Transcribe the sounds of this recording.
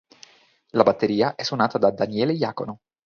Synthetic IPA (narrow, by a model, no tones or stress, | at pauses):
labat̪ːeɾiːaʔɛsːunaːt̪ad̪ad̪anjɛːlejaːkono